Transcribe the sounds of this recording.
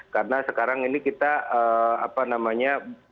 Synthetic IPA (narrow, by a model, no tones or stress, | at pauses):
kaɾənasəkaɾaŋinikit̪aʔəːapanamaɲa